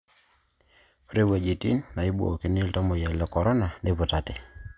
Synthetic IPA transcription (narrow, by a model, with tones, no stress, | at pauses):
o˦ɾe˦we˨d͡ʒi˨ti˦nna˨i˦bo̰˨ki˨ni˦ltɔ˦mo˨jɛ˨lɔ˨kɔ˨ɾɔ˦na˨ne˦pʊ˨ta˨tɪ˨